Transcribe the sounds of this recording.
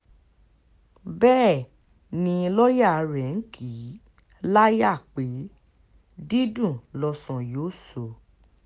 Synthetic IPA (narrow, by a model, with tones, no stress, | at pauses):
bɛː˦˨ | nĩ˧lɔ˦ja˦˨˧ɾɛ˨n̩˦kʰi˨˦ | la˦ja˦˨k͡pe˨˦ | di˦dũ˦˨lɔ˧sɔ̃˨jo˨˦˨so˨